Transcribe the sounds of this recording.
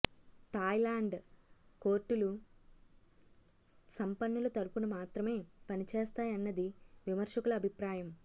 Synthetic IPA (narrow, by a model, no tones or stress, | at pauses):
t̪aːjlaːɳɖko̞ːɾʈːulu | sɐmpɐnːulɐt̪ɐɾupunɐmaːt̪ɾɐme̞ːpɐnit͡ʃeːst̪aːjɐnːɐd̪iʋimɐɾʂɐkulɐːbʱipɾaːjɐm